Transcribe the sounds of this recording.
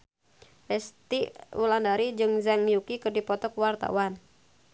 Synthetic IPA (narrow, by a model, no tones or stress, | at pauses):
fɛst̪iṵlandaɾid͡ʒɨŋzaŋjukikərdipɔt̪ɔkwart̪a̰wan